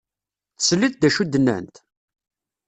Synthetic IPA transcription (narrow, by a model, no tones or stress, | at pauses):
θsəlːiθ̚d̪æʃud̪ːənːæ̰nt̪